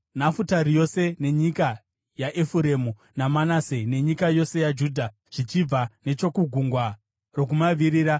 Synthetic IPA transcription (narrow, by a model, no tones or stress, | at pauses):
nafutarijo̞se̞ne̞ɲika | jaʔefuɾe̞mu | namanasene̞ɲikajo̞se̞jad͡ʒuːdʱa | ʐ̥it͡ʃib͡vane̞t͡ʃo̞kuɡʱuŋɡwa | ro̞k̬umaʋiɾiːɾa